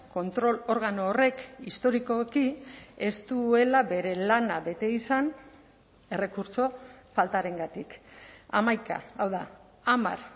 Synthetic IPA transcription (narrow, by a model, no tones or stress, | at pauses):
ko̞nt̪ɾo̞lo̞ɾɣ̞ano̞ːre̞kist̪o̞ɾiko̞kie̞st̪ue̞labe̞ɾe̞lanaβe̞t̪e̞isan | e̞re̞kuɾt͡ʃo̞falt̪aɾe̞ŋɡat̪ika̰majka̰awða | ama̰ɾ